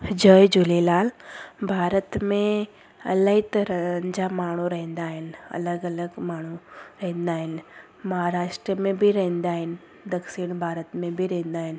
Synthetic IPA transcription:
d͡ʑəːjd͡ʑʊlelaːlbʱaːɾət̪mẽ | ɐ̰ləɦit̪ɐɾəɲd͡ʑamaːɳ̤uɾɐɦɛ̃nd̪aːɦɪnɐ̰ləɡɐləɡmaːɳ̤̃uɾɐɦɛ̃nd̪aːɦɪn | mɐɦaɾaːʃʈɾiəmẽbʱiɾɐɦɛ̃nd̪aːɦɪnɪ̆ | d̪ɐkʃiɽ̃bʱaːɾət̪mẽbʱiɾɐɦɛ̃n̆d̪aːɦɪnɪ̆

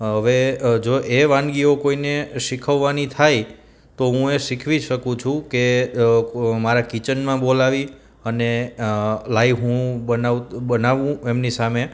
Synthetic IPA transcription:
ɦəʋed͡ʒoʔeʋãnɡiokoineʃikʰəʋːanit̪ʰaj | t̪oɦũeʃikʰʋiʃəkũt͡ʃʰũke | maɾakit͡ʃənmãbolaʋi | əne | laiɦũbənaʋbənaʋũemnisame

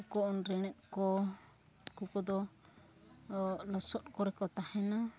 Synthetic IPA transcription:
kɔɔnɾɛɽ̃ɛʔ̚kɔ | kukɔd̪ɔ | lɔsɔt̪̚kɔɾɛkɔt̪ahɛna

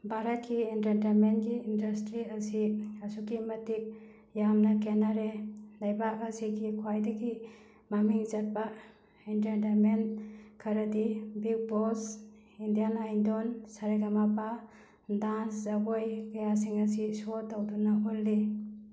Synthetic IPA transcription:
bʱaɾɐt̚kiintentenmenɡiːndɐstɾiɐsiɐsukimɐtik̚ | jamnakenaɾelajbaɐsiɡikʰwajdɐɡi | mamiŋzɐt̚ba | intentenmenkʰɐɾɐdibiɡ̚bos | indijanajndonsaɾaɡamapa | danszabojkajas̬iŋɐsisotːawdunaɦolːi

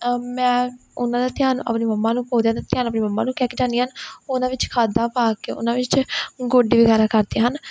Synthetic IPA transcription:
mɛ̃ːʊnãːd̪aːt̪ɪjaːnʔə̰pniːməmːãːnũːkoːd̪jãːd̪at̪ɪjaːnəpniːməmːã̰ːnũːkɛːkiːd͡ʒaːniɦənʊnãːʋɪt͡ʃkʰaːd̪ãːpaːkḛːʊ̰nãːʋɪt͡ʃɡoːɖiːʋiːɡaːɾãːkəɾd̪iːɦən

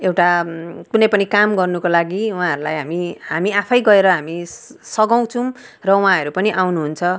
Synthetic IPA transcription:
ewʈakunʌjpʌnikamɡʌrnukolaɡiw̃ãɦʌɾulajɦamiɦamiapʰʌjɡʌeɾʌɦamisʌɡaw̃t͡sʰũ | rʌw̃ãɦʌɾupʌniʔawnuɦunt͡sʰʌ

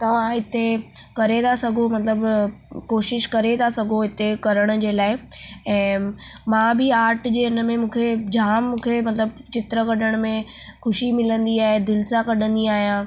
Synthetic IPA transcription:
t̪ɐʋ̤ãɦɪt̪ekɐɾet̪asɐɡʱomɐt̪ləbkoːʃɪʃkɐɾet̪ʰasɐɡʱoɦɪt̪ekɐɾəɽ̃ʊ̆d͡ʑeːlaːɪɛ̃ːmãːbʱɪaːɾʈd͡ʑeːɪnə̆mẽmũːkʰed͡ʑaːmːũːkʰemɐt̪ləb | t͡ɕɪt̪ɾəkɐɗəɽ̃̆mẽ | xʊʃimɪlə̃nd̪iaːɦed̪ɪlsãkɐɗʱə̃nd̪iaːɦijãː

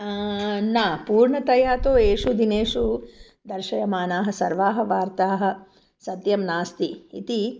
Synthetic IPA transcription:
naːpuːɾɳɐt̪ɐjaːt̪oːeːʂud̪ineːʂu | d̪ɐɾʃɐjɐmaːnaːɦɐ̆sɐɾʋaːɦɐ̆ʋaːɾt̪aːɦɐ̆ | sɐt̪jɐmnaːst̪iḭt̪i

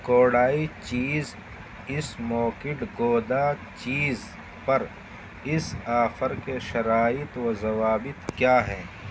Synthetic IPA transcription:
koːɽaːit͡ʃiːz | ɪsmoːkɪʈɡoːd̪at͡ʃiːz | pɐɾ | ɪsaːfəɾkeʃɐɾaːɪt̪wɐzɐwaːbɪt̪kjaːɦɛː

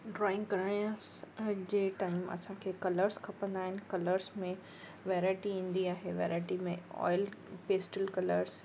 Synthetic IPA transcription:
ɖɾɔːɪ̃ŋɡkɐɾaijãsd͡ʑeːʈaːɪmɐ̰sãkʰeːkɐləɾskʰɐpə̃nd̪aːɦɪnɪ̆kɐləɾzmẽ | ʋɛːɾaːɪʈiĩːn̆d̪iaːɦeʋeːɾaːɪʈimẽɔ̰ːɪlpeːsʈəlkɐləɾz̥

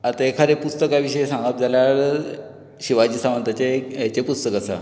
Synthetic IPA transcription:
at̪aekʰaɾepust̪əkaʋiɕəjesãŋɡat̪̚d͡zʱaljaɾ | ɕiʋad͡ʑiːsamənt̪at͡ɕejat͡ɕepust̪əkasa̰

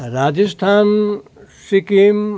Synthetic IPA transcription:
ɾaːd͡ʒəst̪ʰaːn | sikiːm

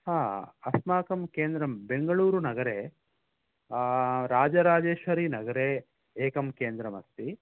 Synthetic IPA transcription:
haːɐsmaːkɐmkeːnd̪ɾɐmbe̞ŋɡɐɭuːɾunɐɡɐɾe | ɾaːd͡ʒɐɾaːd͡ʒeːʃʋɐɾinɐɡɐɾeː | eːkɐmkeːnd̪ɾɐmɐst̪i

